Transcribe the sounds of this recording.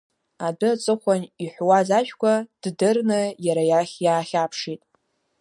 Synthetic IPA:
adɨat͡sʼɨχʷaniħʷwazaʒᶣkʷʰad̥dɨrnɨjaɾajaχʲjaːχʲapʰʂitʼ

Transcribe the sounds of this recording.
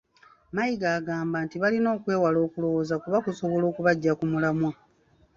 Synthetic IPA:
majiɡaːɡaːmbantiβalino̞ːkwe̞ːwalo̞ːkulo̞wozakuβakuso̞βo̞lo̞ːkuβaɟːakumulamwa

